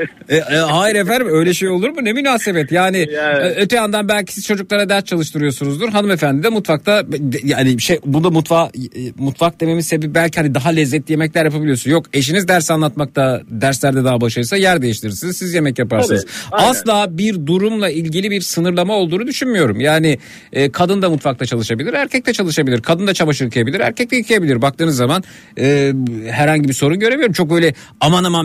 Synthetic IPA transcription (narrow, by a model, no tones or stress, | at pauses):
ɛɦaːjiɾefænd̪imø̞jlʲɛʃe̞jo̞lˠuɾmunemynaːse̞bɛt̪jaːniøt̪ʰɛjand̪anbælʲcʰi̥siz̥t͡ʃʰo̞d͡ʒuklˠaɾad̪æɾst͡ʃʰalˠɯʃt̪ɯɾɯjo̞sunuzd̪uɾɦanɯme̞fænd̪imd̪ɛmut̪fak̚t̪ʰabdjaniʃejbund̪amut̪famut̪fak̚d̪e̞memise̞bip̚bælʲcʰihanid̪aɦalʲɛzːɛt̪lʲijemɛclʲæɾjap̬ʰabilʲijo̞sunjo̞ke̞ʃ̬inizd̪æɾsanlˠat̪mak̚t̪ʰad̪æɾslʲæɾd̪ɛd̪aɦabaɯʃaɯsajæɾd̪e̞jiʃt̪ʲiɾsinizsizje̞mɛcjapaɾssɯnɯz̥aslˠaːbiɾd̪uɾumlˠailʲɟilʲibiɾsɯnɯɾlˠamaolˠd̪uːnud̪yʃynmyjo̞ɾumjaːniː | kʰad̪ɯnd̪amut̪fak̚lˠat͡ʃʰalˠɯʃabilʲiɾæɾcʰɛc̚t̪ɛt͡ʃʰalˠɯʃabilʲiɾkʰad̪ɯnd̪at͡ʃʰabaʃɯɯkʰɯjabilʲiɾæ̰ɾcʰɛc̚t̪ʰɛɯkʰɯjabilʲiɾbak̚t̪ɯːnɯzːaman | ɯːhæɾhaɲɟibiso̞ɾunɟø̞ɾe̞vijo̞ɾumt͡ʃʰok̚bø̞jlʲɛ | amanama